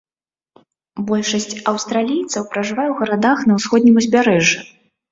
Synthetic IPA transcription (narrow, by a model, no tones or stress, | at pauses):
bɔlʲʂɐsʲt͡sʲɐwst̪ɾalʲijt̪sɐwpɾɐʐɨvajɛwɣɐɾad̪axnɐwsxɔd̪̚ʲnʲimuzʲbʲaɾɛʐɨ